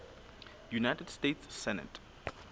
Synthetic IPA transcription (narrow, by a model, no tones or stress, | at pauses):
junajtɛdstetsːɛnə̰t